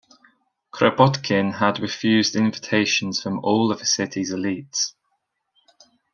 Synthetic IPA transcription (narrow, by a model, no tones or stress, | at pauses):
kʰɹ̥əbɒdkʰɪ̃nədɹɪfjʉːzdɪ̃ɱvɪtʰeɪʃə̃nz̥fɹə̃mɔːləv̥əsɪtʰɪzɪliˑts